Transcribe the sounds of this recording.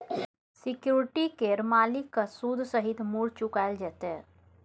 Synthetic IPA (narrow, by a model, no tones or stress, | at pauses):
sɪkjuːɾʈikeɾmaːlikːasuːd̪ʱsəɦɪt̪muːɽt͡ʃʊkaːld͡ʒɛːt̪ɦɛ